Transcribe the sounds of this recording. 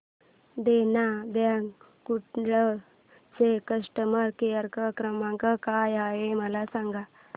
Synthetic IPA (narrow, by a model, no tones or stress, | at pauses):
d̪enabãŋɡ | kuʈɭə | t͡sekəʂʈəməɾkijəɾkəkɾəmãŋkakajajeməlasãŋɡa